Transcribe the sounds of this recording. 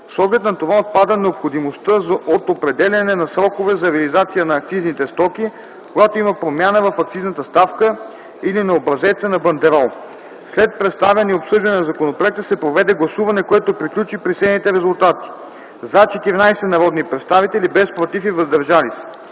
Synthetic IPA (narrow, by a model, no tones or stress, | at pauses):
sˠɔɡlɛt̪nɐt̪ovaot̪̚pad̪ənɛopxod̪imost̪əzot̪opɾɛd̪ɛlʲɐnɛnɐsɾɔkovɛzɐɾɛɐlizat̪sijənɐːk̚t̪siznit̪ɛst̪ɔki | koɡat̪oimɐpɾomʲjanəvɐfɐk̚t̪siznət̪əst̪afkə | ilinɐobɾɐzɛt̪sɛnɐbɐnd̪ɛɾɔlˠ | slɛt̪̚pɾɛt̪st̪avɐniopsɤʒd̪ɐnɛnɐzɐkonopɾoɛkt̪əsɛpɾovɛd̪ɛɡlˠɐsuvɐnɛkoɛt̪opɾiklʲut͡ʃipɾisɛd̪nit̪ɛɾɛzulˠt̪at̪i̥ | zat͡ʃɛt̪iɾinajsɛnɐɾɔd̪nipɾɛt̪st̪avit̪ɛlibɛspɾot̪ifivɐzd̪ɐɾʒalisɛ̥